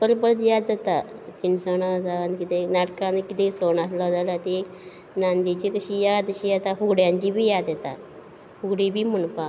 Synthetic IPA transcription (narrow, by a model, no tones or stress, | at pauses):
pəɾpəɾt̪jad̪d͡zat̪at͡ɕinsaɳad͡zaankit̪enaʈkãnkit̪esoɳaslad͡zalat̪e | nand̪it͡ɕikəɕijad̪əɕijat̪afuɡɽjãɲt͡ɕibʱiːjad̪jɛt̪a | fuɡɽibʱiːmənfa